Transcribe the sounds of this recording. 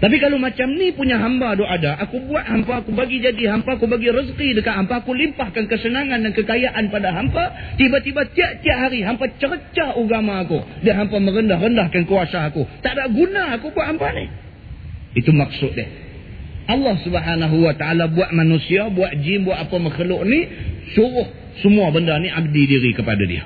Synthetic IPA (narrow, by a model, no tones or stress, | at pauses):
t̪ap̬ikalomat͡ʃamnipuɲaɦambadoadaʔakubuaʔhampaːkubaɡid͡ʒadiɦampaːkubaɡiɾəzqidəkaʔhampaːkulimpahkankəsənaŋandankəkajaʔanpadaɦampat̪ibat̪ibat̪iaʔt̪iaʔɦaɾiɦampat͡ʃəɾət͡ʃauɡamaːkudiaɦampaməɾəndahrəndahkankuasaakut̪aʔdaʔɡunaːkubuaʔɦampanɪh | it̪umak̚sʊt̪̚dɪ̰h | ʔɑlːɑhsubəɦanaɦuwat̪aalabuaʔmanusiabuaʔd͡ʒɪmbuaʔapaməxəlʊʔnisuɾʊh | səmuabəndarniʔab̚didiɾikəpa̰da̰dḭə̰